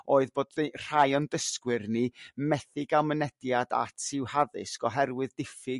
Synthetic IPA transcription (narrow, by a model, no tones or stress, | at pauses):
oːɨðboːdr̥ajɔndəskwɨrnimɛθɪɡalˠmənɛdjada̰tʰɪwhaðɪ̰skɔɦɛrwɨðdɪfɪ